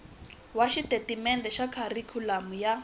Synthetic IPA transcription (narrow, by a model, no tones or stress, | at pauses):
waʃitʼetimɛndɛʃakʰarikʰulamuja